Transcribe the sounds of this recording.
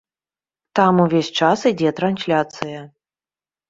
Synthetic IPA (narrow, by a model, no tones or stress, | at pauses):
t̪amuvʲesʲt͡ʂasɨd͡zʲɛt̪ɾanʲsʲlʲat̪sɨjɐ